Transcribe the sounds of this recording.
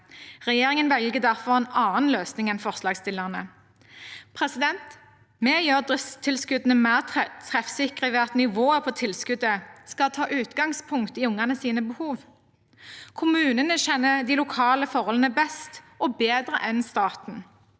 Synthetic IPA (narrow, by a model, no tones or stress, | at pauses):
ʁɛjeːʁɪŋənʋɛlɡəd̪æʁfɔʁeːnɑːnløːsnɪŋɛnfɔʁslɑːɡst̪ɪləʁnə | pʰʁɛsɪd̪ɛnt̪ | mɛːjøːʁd̪ɪst̪ʰɪlskʉd̪ənəmæʁt̪ʰʁɛt̪t̪ʰʁɛfsɪkʁəʋeːɑt̪nɪʋoːəpʰɔːt̪ʰɪlskʉd̪əskɑt̪ʰɑːʔʉːt̪ɡɑŋspʰʊŋkt̪ɪʊŋɑnəsiːnəbəhuːʋ | kʰʊmʉːnənəʃɛnːəd̪iːlʊkʰɑːləfɔʁhɔlənəbɛst̪ʔɔbeːd̪ʁəʔɛnst̪ɑːt̪n̩